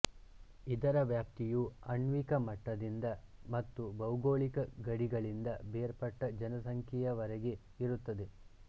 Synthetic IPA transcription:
id̪ɐɾɐʋjaːp̚t̪ijuɐɳʋikɐmɐʈːɐd̪ind̪ɐmɐt̪ːubɐwɡoːɭikɐɡɐɽiɡɐɭind̪ɐbeːɾpɐʈːɐd͡ʒɐnɐsɐŋkʰɛjɐʋɐɾɐɡe̞ | iɾut̪ːɐd̪e̞

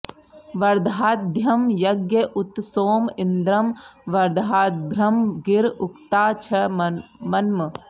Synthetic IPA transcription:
ʋɐɾd̪ʱaːt̪̚b̪ʱjɐmjɐɡjɐʔʊt̪soːmɪnd̪ɾɐmʋɐɾd̪aːt̪̚bʱɾɐmɡɪɾʊkt̪aːt͡ʃʰɐmɐnmɐ

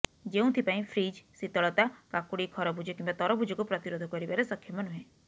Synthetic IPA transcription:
d͡ʒeũt̪ʰipaĩpʰɾid͡ʒsit̪ɔɭɔt̪akakuɽikʰɔɾɔbʱud͡ʒɔkimbat̪ɔɾɔbʱud͡ʒɔkupɾɔt̪iɾod̪ʱɔkɔɾibaɾesɔkʰjɔmɔnuɦẽ

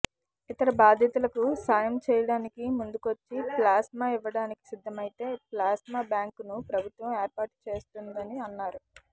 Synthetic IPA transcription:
it̪ɐɾɐbaːd̪ʱjɐt̪ulɐkusaːjɐmt͡ʃɛːjɐɽaːnikimund̪ukʋot͡ʃːiplaːsmaːiʋːɐɽaːniki̥sid̪ʱːɐmɐjit̪e̞ːplaːsmaːbjaːŋknupɾɐbʱut̪ʋɐmeːɾpaːʈt͡ʃe̞ːst̪und̪ɐniɐnːaːɾu

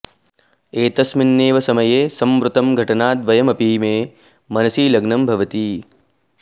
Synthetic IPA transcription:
eːt̪ɐsmɪnːeːʋɐsɐmɐjeːsɐmʋɾʊt̪ɐmɡʱɐʈɐnaːd̪ʋɐjɐmɐpiːmẽː | mɐnɐsiːlɐɡnɐmbʱɐʋɐt̪iː

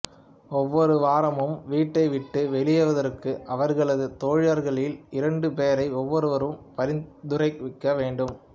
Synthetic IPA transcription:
ɔʋːɔɾɯʋaːɾɐmɯmʋiːʈːɐɪʋɪʈːɯʋɛɭɪjɐʋɐðɐɾɯkːɯʔɐʋɐɾɣɐɭɐðɯt̪oːɻɐɾɣɐɭɪlɪɾɐɳɖɯpeːjɐɾɐɪɔʋːɔɾɯʋɐɾɯmpɐɾɪnd̪ɯɾɐɪkʋɪkːɐʋeːɳɖɯm

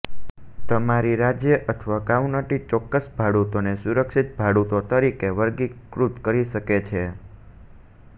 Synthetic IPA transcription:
t̪əmaɾiɾad͡ʒjəʔət̪ʰʋakawnəʈit͡ʃɔkːəsbʱaɽut̪onesuɾəkʃit̪̚bʱaɽut̪ot̪əɾikeʋəɾɡikɾut̪kəɾiʃəket͡ʃʰe

